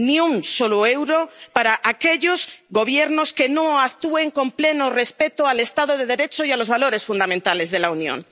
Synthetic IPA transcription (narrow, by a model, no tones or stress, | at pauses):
niunsoloe̞wɾo̞paɾaʔake̞ʎozɣo̞βje̞ɾno̞ske̞noak̚t̪ue̞ŋko̞mple̞nore̞spe̞t̪oale̞st̪að̞oðe̞ðe̞ɾe̞t͡ʃoialozβalo̞ɾe̞sfũnd̪amẽnt̪ale̞zðe̞launjõ̰ŋn